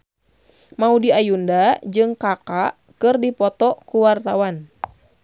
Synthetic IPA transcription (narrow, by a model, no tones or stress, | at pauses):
maudiajundad͡ʒɨŋkaka | kɨrdipɔt̪ɔkuwart̪awan